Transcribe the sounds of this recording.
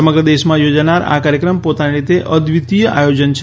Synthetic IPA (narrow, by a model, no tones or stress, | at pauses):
əməɡɾəd̪eʃmãjod͡ʒanaɾa̰kaɾjəkɾəmpot̪aniɾit̪eʔəd̪ʋit̪ijəʔajod͡ʒənt͡ʃʰ